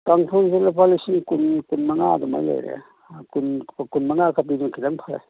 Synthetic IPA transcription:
kaŋpʰɔnszelapalisinkunkunmɐŋa̰dɔma̰jla̰jɾḛa̰ | kunkunmaŋakʰapidunkʰidaŋpʰaɾa̰j

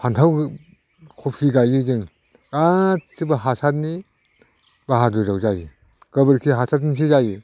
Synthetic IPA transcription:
pʰantʰaw | kʰɔp̚kʰiɡajizɯŋ | ɡat̚sibaɦasat̚ni | baɦadujzawzaji | ɡ̥ɐbɯɾkʰiɦasʰat̚nis̬izaji

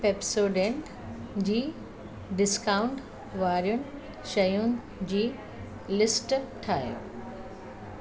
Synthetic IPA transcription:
peːpsoːɖeɳ | d͡ʑiː | ɖɪskaːʊ̃ɳʈ | ʋaːɾjʊnɪ | ʃɐjʊnɪ̆ | d͡ʑiː | lɪsʈʈʰaːɦe

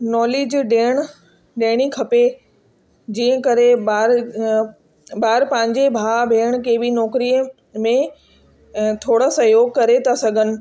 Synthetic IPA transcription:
nɔːleːd͡ʑɗeːɽ̃̆ | ɗeːɽ̃ikʰɐpe | d͡ʑiːə̃kɐɾeaːɾ | baːɾpãːɪ̃ɲd͡ʑebʱaːbʱeːɽ̃kebʱɪnɔːkɾiːə | mẽ | t̪ʰoːɽəsɐjoːɡkɐɾet̪ʰasɐɡʱənɪ̆

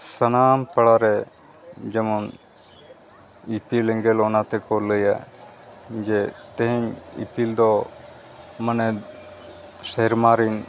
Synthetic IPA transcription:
sənaːmpəɽaɾɛ | d͡ʒɛmɔn | ipilɛ̃ŋɡɛlɔnat̪ɛkɔɾləja | d͡ʒet̪eɦɛɲḭpild̪ɔ | mənɛ | seɦɾmaɾin

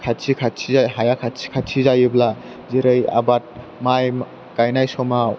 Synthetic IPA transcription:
kʰatt͡ʃʰikʰatsʰizajɦajakʰatsʰi̥kʰatsʰizajɯbla | ziɾɯja̰bat̚ | maj | kajnajsɔma

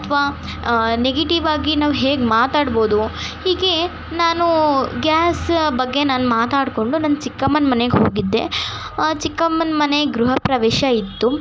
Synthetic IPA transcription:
ɐt̪ʰʋaː | neɡeʈiʋaːɡinaːʋɦeːɡmaːt̪aːɖbo̞ːd̪uhiːɡe̞ | naːnuɡjaːsbɐɡːe̞naːnumaːt̪aːɽko̞ɳɖunɐnːɐt͡ʃikːɐmɐnmɐneɡɦo̰ːɡid̪ːe̞̰ | t͡ʃikːɐmɐnmɐneɡɾuɦɐpɾɐʋɛːʃɐit̪ːu

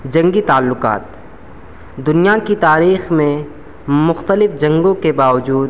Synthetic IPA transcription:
d͡ʒɐ̃ŋɡit̪aːlːʊqa̰ːt̪̚ | d̪ʊnijakit̪aːɾiːxmẽ | mʊxt̪əlɪfd͡ʒɐ̃ŋɡõkebaːʋəd͡ʒuːd̪

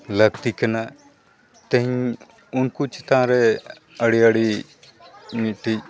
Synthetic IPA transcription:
lɐɡ̚t̪ikɐna | t̪ɐ̃ɦĩ | ʊnkut͡ʃɪt̪ãɾɛ | əɽiəɽi | mʈʰi

